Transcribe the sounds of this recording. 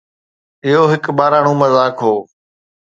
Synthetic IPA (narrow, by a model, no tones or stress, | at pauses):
ɪɦoːɦɪkɓaːɾaːɳ̃ũːməzaːkʰɦoː